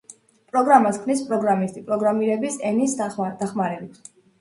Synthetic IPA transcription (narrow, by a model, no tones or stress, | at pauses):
pʼɾɔɡɾamaskʰmnispʼɾɔɡɾamist̪ʼipʼɾɔɡɾamiɾɛbisɛnisd̪̥aχmaɾɛbit̪s